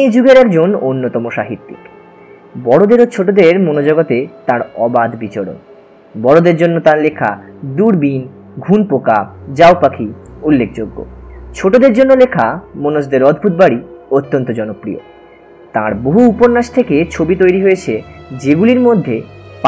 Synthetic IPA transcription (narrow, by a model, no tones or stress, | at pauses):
d͡ʑuɡeɾɛkd͡ʑononːot̪ɔmoʃa̰ɦit̪ːḭk | bɔɽod̪eɾot͡ɕʰoʈod̪eɾmonod͡ʑɔɡot̪et̪ãɾɔbad̪bit͡ɕoɾo̰n | bɔɽod̪eɾd͡ʑonːot̪aɾlekʰa̰d̪uɾbin | ɡʱunpokad͡ʑaopakʰiulːek̚ʰd͡ʑoɡːo̰t͡ɕʰoʈod̪eɾd͡ʑonːolekʰamonoʃd̪eɾɔd̪ʱbʱut̪̚baɽiot̪ːont̪od͡ʑɔnopɾiḛ | t̪aɾboɦuupoɾnːaʃt̪ʰeket͡ɕʰobit̪ojɾiɦoet͡ɕʰed͡ʑeɡuliɾmod̪ʱːep